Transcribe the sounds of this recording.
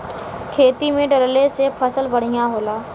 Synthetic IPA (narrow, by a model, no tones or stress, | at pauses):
kʰeːt̪imẽɖəɾlesepʰəsəlbəɽ̤ɪjãɦoːlaː